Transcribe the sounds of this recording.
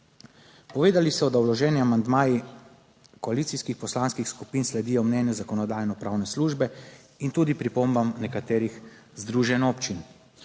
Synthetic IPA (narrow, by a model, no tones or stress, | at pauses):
pɔʋeːd̪alisɔd̪awlɔʒɛːniamand̪maːji | kɔaliːt̪siskixpɔslanskixskupiːnslɛd̪iːjɔmnɛnjɔzakɔnɔd̪aːjnɔpɾawnɛsluːʒbɛ | int̪uːd̪ipɾipombamnɛkat̪eːɾix | zd̪ɾuːʒɛnɔpt͡ʃin